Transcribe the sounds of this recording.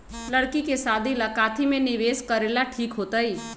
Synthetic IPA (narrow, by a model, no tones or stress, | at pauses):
ləɽkikesaːd̪ʱiləkaːt̪ʰimẽnɪʋeːskəɾeːlaʈʰiːkɦoːt̪əi